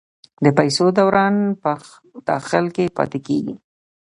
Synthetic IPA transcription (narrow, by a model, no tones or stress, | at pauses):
d̪əpajsod̪awɾɑnpə | d̪̥ɑ̰xɪlkepɑ̰t̪ekeɡḭ